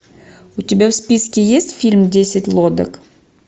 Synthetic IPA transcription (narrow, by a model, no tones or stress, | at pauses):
ʊt̪ʲɪbʲæwspʲiskʲɪjesʲtʲfʲilʲmd̪ʲesʲɪt̪ʲlˠod̪ə̰k